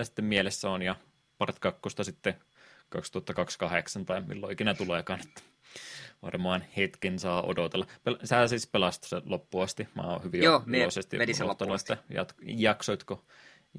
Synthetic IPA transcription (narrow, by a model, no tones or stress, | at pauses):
æsi̥t̪ːemmielesːæonjɑ | pɑrt̪kɑkːost̪ɑsit̪ːe | kɑkst̪uɑt̪ːɑkɑkskɑheksɑnt̪ɑimḭlːoikinæt̪ulekɑːne̥t̪ːæ̥ | ʋɑ̰rmoɑːnhet̪kinsɑːʔo̰dot̪elːɑpelsæsiːspelɑst̪selopːuɑst̪imæ̰ːo̰hyʋioːosest̪ḭʔoot̪ːɑnuet̪ːæjɑ̰t̪jɑksoit̪ko